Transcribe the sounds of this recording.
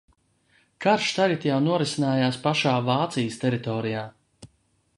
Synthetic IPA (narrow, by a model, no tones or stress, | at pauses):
kaɾʃt̪aɡat̪jawnuɔɾisinaːjaːspaʃaːvaːt̪sijəst̪ɛɾit̪ɔːɾijaː